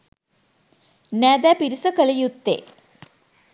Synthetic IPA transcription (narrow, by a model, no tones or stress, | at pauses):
neːd̪apiɾisɐkɐlɐjut̪ːḛ